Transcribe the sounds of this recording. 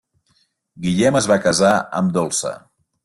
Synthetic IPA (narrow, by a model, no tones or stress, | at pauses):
ɡiʎɛməzβakəzaə̰md̪olˠsə̰